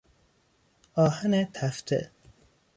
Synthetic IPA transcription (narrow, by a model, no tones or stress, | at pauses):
ɒːhænet̪ʰæft̪ʰḛ